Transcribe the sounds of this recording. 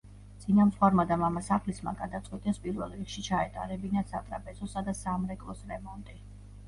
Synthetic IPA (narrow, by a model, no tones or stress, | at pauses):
d̪sʼinamsχwaɾmad̪amamasaχlisma̰ɡad̪at̪sʼqʼwit̪ʼɛspʼiɾvɛlˠɾikʃit͡ʃʰaɛt̪ʼa̰ɾɛbinasat̪ʼɾapʼɛzɔsad̪asamɾɛkʼlˠɔsɾɛmɔnt̪ʼi